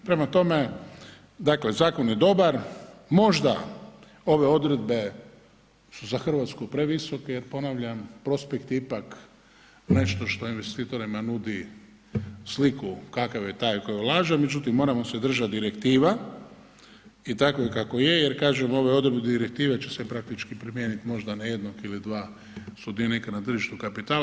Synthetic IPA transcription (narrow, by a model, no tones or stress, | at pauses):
pɾe̞mat̪o̞me̞ | d̪akle̞zaːko̞njed̪o̞baɾmo̞ʒd̪a̰ | o̞ʋe̞o̞d̪ɾe̞d̪be̞ | suzaxr̩ʋat̪skupɾe̞ʋiso̞kejeɾpo̞naʋʎampɾo̞spekt̪iipak | ne̞ʃt̪o̞ʃt̪o̞inʋe̞st̪iːt̪o̞ɾimanud̪i | slikukakaʋjet̪aːjko̞jolˠaːʒame̞d͡ʒut̪imːo̞ːɾamo̞se̞d̪r̩ʒat̪d̪iɾekt̪iːʋa | it̪akoikako̞je̞jeɾkaːʒemo̞ʋeo̞d̪ɾed̪bed̪iɾek̚t̪iːʋet͡ɕesepɾak̚t̪it͡ʃkipɾimjeːnit̪mo̞ʒd̪anaje̞d̪nokilid̪ʋaː | sud̪ionikanat̪r̩ʒiʃt̪ukapit̪aː